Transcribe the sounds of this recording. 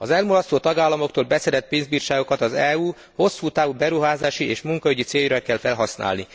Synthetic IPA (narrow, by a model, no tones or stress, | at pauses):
ɒzɛlmolɒst̪oːt̪ɒɡaːlːɒmo̞k̚t̪oːlbɛsɛɾɛt̪̚peːnzbiːrʃaːɡo̞kɒt̪ɒzɛːuː | ho̞sːuːt̪aːvubɛɾuɦaːzaːʃiʔeːʃmuŋkɒyɟit̪seːjrɛkɛlfɛlɦɒsnʔa̰ːlni